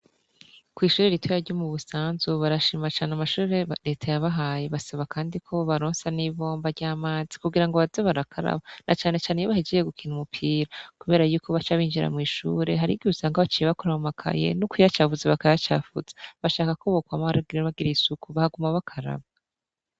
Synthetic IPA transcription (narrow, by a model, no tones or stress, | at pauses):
kwiːʃuːɾeɾitʰojaɾɟomuβusaːnzuβaɾaʃimat͡ʃaːneamaʃuːɾeɾe̞ːtʰajaβaɦaːje̞βasaβakʰaːndikʰo̞βaɾoːnsaniβo̞ːmbaɾɟaːmaːzi̥kuɡiɾaŋɡoβazeβaɾakʰaɾa̰βanʔat͡ʃaːne̞t͡ʃaːnejoβahed͡ʒejeɡukʰinumupʰiːɾakuβe̞ːɾajuːkʰo̞βat͡ʃaβiːnd͡ʒiɾa̰mŋiːʃṵːɾe̞ɦaɾiɡiusaŋɡaβat͡ʃijeβakoɾamumakʰa̰je̞̰nukujat͡ʃavuzeβakajat͡ʃa̰ːfuze̥βaʃaːkakoβokwamaβaɾaɡiɾeβaɡiɾeisukuβahaɡumaβakʰaɾa̰βa